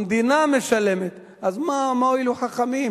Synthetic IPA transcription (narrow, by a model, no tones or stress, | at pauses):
md̪inameʃalemet̪ | ʔazmamaoiluħaχamim